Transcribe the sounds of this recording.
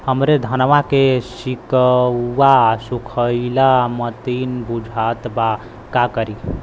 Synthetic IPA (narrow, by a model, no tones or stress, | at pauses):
həmɾed̪ʱənʋakesikəːasukʰəilamət̪inbud͡ʒʱat̪ba | kakəɾi